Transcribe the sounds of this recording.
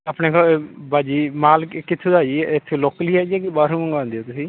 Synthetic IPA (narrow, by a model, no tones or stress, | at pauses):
apneːkobaːd͡ʒiːmaːlkɪt̪ʰːũːd̪aːd͡ʒit̪ʰːeloːkliːɛːd͡ʒɛːkebaːɾũːməŋɡãːnd̪eːoːt̪ʊsĩː